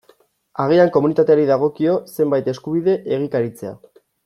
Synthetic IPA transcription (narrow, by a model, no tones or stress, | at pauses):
aɣ̞iaŋko̞munit̪at̪eaɾiðaɣ̞o̞kio̞se̞mbajt̪e̞skuβiðe̞ʔeɣ̞ikaɾit͡se̞a̰